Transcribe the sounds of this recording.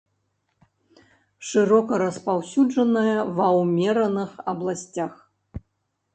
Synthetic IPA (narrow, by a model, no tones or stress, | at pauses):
ʂɨɾɔkɐɾɐspawsʲud͡ʐɐnɐjɐvɐwmʲɛɾɐnɨxɐblˠasʲt͡sʲax